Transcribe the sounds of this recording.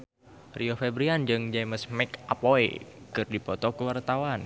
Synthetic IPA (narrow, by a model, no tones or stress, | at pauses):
riofɛbɾiand͡ʒɨŋd͡ʒajməsmɛkapoḛkɨrdipɔt̪ɔkəwart̪awan